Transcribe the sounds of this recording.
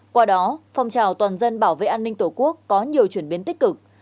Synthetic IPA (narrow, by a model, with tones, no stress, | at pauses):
kwaː˧ɗɔ˨˦fa˨˧wŋ͡mt͡ɕaː˨˩wt̪waː˨˩nzə˧nɓaː˧˩wvḛ˧˨ʔaː˧nːï˧ŋ̟t̪o˧˩ku˦˥əkːɔ˨˦ɲi˨˩əwt͡ɕwi˧˩ənɓi˨˦nt̪i˦˥k̟̚kɨ˨˩k̚